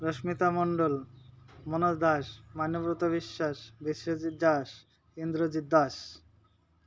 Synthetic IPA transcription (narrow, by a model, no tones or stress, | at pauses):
ɾoʃmit̪amoɳɖol | monod̪aʃmanobɾut̪obiʃːaʃbiʃod͡ʑit̪̚d͡ʑaʃ | ind̪ɾod͡ʑid̪ːaʃ